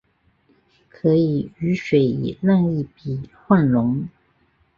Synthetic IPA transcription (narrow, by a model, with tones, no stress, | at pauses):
kʰɤ˧˥i˨˩y˧˥ʂwe˨˩ɪḭ˨˩la˥˧ŋi˥˩pi˨˩xwa˥˩nlʊ˧˥ŋ